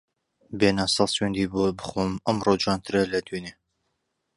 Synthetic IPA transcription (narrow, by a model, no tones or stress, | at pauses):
beːnɑːsɑswend̪iːbobɨxomɐmrod͡ʒuɑnt̪ʰɨɾɐlɐd̪yne